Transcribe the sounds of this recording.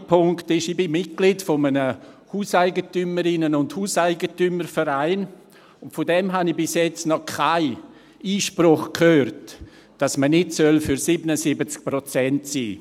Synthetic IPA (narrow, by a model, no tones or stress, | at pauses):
pʰʊŋktɪʃibɪmmɪt̚ɡ̥litfomənəhuːsaɪɡətyməɾɪnənʊndhuːsaɪɡətyməɾfəɾaɪn | ʊntfodɛmɦanibɪsjɛt͡snɔkʰaɪ | iːʃpɾʊχkʰhøːrt | d̥asmənɪtsœlfyɾsɪbənəsɪbət͡sk̚pɾɔt͡sɛntsiː